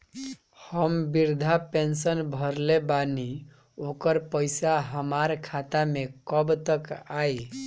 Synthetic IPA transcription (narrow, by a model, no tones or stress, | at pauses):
həmbiɾd̪ʱapensənbʱəɾlebani | okəɾpəɪsaɦəmaɾkʰat̪amekəbt̪əkaj